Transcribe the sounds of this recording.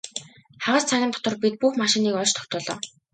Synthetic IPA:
χaʁə̆ːst͡sʰaɣʲɪ̆nt̪ʰɔ̥t̪ə̆rpit̪̚puxmaʃĭniːkɔɮt͡ɕt̪ʰɔ̥w̚t̪ʊːɮɔ̰ː

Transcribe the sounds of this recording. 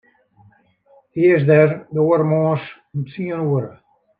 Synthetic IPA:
iəsdɛrdoːəɾmɔːs | əmt͡siənuəɾə

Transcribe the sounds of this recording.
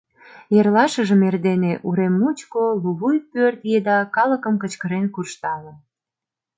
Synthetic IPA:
jerlɑʃəʒəmerd̪eneʔuɾemːut͡ɕkoluβujpørt̪jed̪ɑkɑləkəmkət͡ɕkəɾenkurʃt̪ɑlə

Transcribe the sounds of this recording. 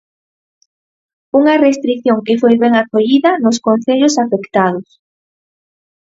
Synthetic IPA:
uŋɐrest̪ɾiθjoŋkefojβɛŋakoʎiðɐnʊskonθeʎʊsafekt̪að̞ʊs

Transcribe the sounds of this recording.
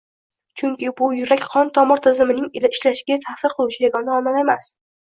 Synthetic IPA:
t͡ʃʰʊŋkʲɪbʊjʊɾakʲqʰɒnt̪ʰɒmɪɾt̪ʰɪzɪmɪnɪŋɪlaɪʃlaʃɪɡʲat̪ʰasɪɾqʰɨlˠʊʃɪjaɡɒnaɒmalemas

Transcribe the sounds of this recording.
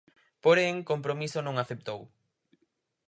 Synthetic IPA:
poɾeŋkompɾomisonõŋaθep̚t̪ow

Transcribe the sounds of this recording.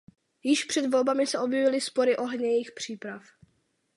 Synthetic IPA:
jɪʃpr̝̥ɛd̪vo̞lbamɪsɛʔo̞bjɛvɪlɪspo̞ɾɪʔo̞ɦɲɛjixpr̝̥iːpɾaf

